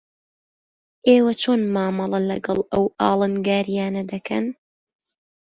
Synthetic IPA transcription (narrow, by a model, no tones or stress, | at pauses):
ʔeːwɐt͡ʃʰoːnmaːmɐlˠɐlɐɡɐlˠʔɐwʔɑ̰ːlˠɨnɡaːɾijaːnɐd̪ɐkʰɐ̰n